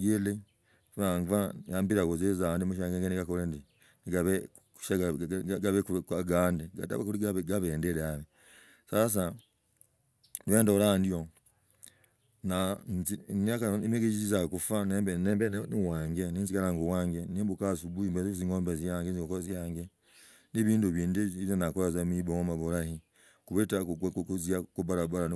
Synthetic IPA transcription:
ɡele | fuaŋvajambiɾakozezandimuʃ̬aŋɡeŋɡeniɡakolendi | niɡaβe | u̥ʃaɡɡaβekukwaɡaːndiɡa̰ta̰βakuliɡaβɡaβeːndeɾeaβe | sas̬a | ndwendalandio | nanziakanimeɡed͡ʒizizakufaneeneːmbeniwaːŋɡeninzikaɾaːŋɡuwaːŋɡenimbukasubuimbezziŋoːmbezjaːŋɡeziŋokozjaːŋɡe | niβiːnduβiːndeiβjonakoɾazamiboŋomaβuɾahi | kuβetauzjakubaɾabaɾan

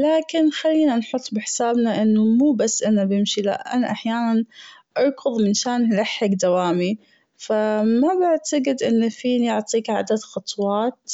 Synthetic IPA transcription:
laːkɪnxalːiːnanħʊt̪ˤːbɪħsaːbnaʔɪnːumuːbasːʔɪnabɪmʃila̰ʔʔa̰naʔaħjaːnan | ʔɑɾˤkʊðˤmɪnʃaːnlaħːɪkd̪awaːmi | famabɪʕt̪aɡɪd̪ʔɪnːafiːnijʊʕt̪ˤiːkʕa̰d̪ad̪xɑt̪ˤwɑːt̪

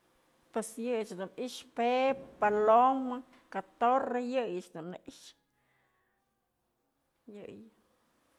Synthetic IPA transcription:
pwesjɨjt͡ʃd̪umiʂpepaloma | kat̪orejɨjɨt͡ʃd̪umneʔiʂ | jɨj

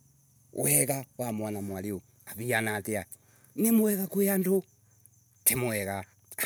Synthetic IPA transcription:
wɛɣawamwanamwalio | aβianatea | nemoɛɣakuando | temoɛɣa

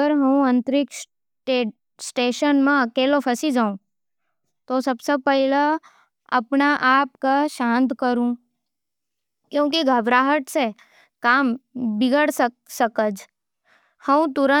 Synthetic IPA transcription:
əɾɦəũənt̪ɾɪks | ʈe | sʈeːʃənmãəkelopʰəsid͡ʒaũ | t̪osəbsəpəɦilə | ə̰pɳaʔapkaʃãnt̪kəɾũ | kjõːkiɡʱəbɾaɦəʈse | kambɪɡəɽsə | səkəd͡ʒ | həũt̪uɾə

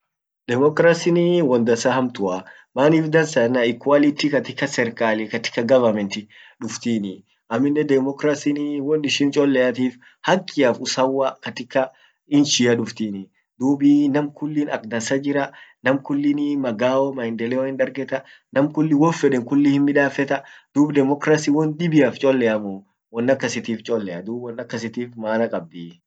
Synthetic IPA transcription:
d̪̥ɛmɔkɾasɪniwɔnd̪ɐsɐhɐmt̪ʊɐ | maːniːfd̪ɐnsɐnːaɪkwalɪt̪ikɐt̪ɪkːɐsɛɾkaːlikɐt̪ɪ̥kːɐɡɐvɐɾmɛnt̪ɪᶑʊft̪iːnɪ | ʔɐmːɪnːɛd̪ɛmɔkɾasɪniwɔnɪʃɪnt͡ʃʼɔlːɛjɐt̪iːf | hɐkʼːɪjaːfʊsɐwːakɐt̪ɪkːɐ | ɪnʃɪɐᶑʊft̪iːnɪ | d̪uːbinɐmkʊlːiːnɐ̰kd̪ɐnsɐd͡ʒɪɾɐnɐmkʊlːɪnɪmɐɡaːɔmɐjnd̪ɛlɛwɔɪnd̪ɐɾɡɛt̪ɐ | nɐmkʊlːɪwɔfɛᶑɛŋkʊlːɪhɪnmɪᶑaːfɛt̪ɐd̪̥uːbd̪ɛmɔkɾasiːwɔnd̪ɪbɪjaːft͡ʃʼɔlːɛʔɐmʊ | wɔnːɐkːɐsɪt̪iːft͡ʃʼɔlːɛɐd̪uːbwɔnːɐkːɐsɪt̪iːfmaːnɐkʼɐb̚d̪i

